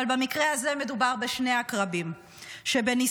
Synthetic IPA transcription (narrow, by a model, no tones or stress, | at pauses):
albamikʁeaze̞medubaʁbe̞ʃne̞akʁabim | ʃe̞be̞ni